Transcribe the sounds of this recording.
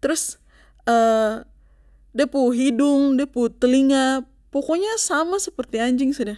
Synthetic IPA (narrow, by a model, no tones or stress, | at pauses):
t̪əɾʊs | ə | dapuɦidʊŋdaput̪əliŋa | pokoɲasamasəpərt̪iaɲd͡ʒɪŋsada